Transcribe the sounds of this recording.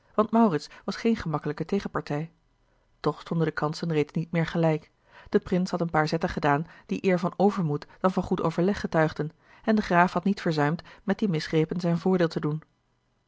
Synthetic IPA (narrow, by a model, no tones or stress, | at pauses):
ʋɑntmɑwrɪtsʋɑsχejnχəmɑkələkətejχəpɑɹtɛj | tɔχstɔndəndəkɑnsənrejtsnit̚mɪːɹχəlɛjk | d̥əprɪnshɑtənpaːɹzɛtəχədaːnd̥iʔɪːɹvɑnowvəɹmutd̥ɑnvɑnχuto̰wvəɹlɛχːətœɥχdən | ɛndəχraːfɦɑtnitfəɹzœɥmtmɛt̚d̥imɪsχrejpənzɛjnvʊːɹdɪːlˠtədun